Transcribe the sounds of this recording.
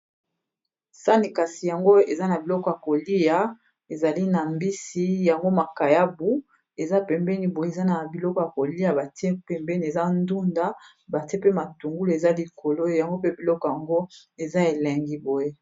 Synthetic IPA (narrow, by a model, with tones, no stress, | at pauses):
sa˦ni˨ka˨si˨ja˨ŋɡo˦e˨za˦na˨bi˨lɔ˦kɔ˨ja˨ko˨li˦ja˨ | e˨za˨li˦na˨mbi˦si˦ja˨ŋɡo˦ma˨ka˨ja˦bu˦ | e˨za˦pɛ˨mbɛ˦ni˨bo˨je˦e˨za˦na˨bi˨lɔ˦kɔ˨ja˨ko˨li˦ja˨ba˨ti˦e˦pɛ˨mbɛ˦ni˨e˨za˦ndu˦nda˦ | ba˨ti˦e˦pe˦ma˨tu˨ŋɡu˦le˨za˦li˨ko˨lo˦ja˨ŋɡo˦pe˦bi˨lɔ˦kɔ˨ja˨ŋɡo˦ | e˨za˦e˨lɛ˨ŋɡi˦bo˨je˦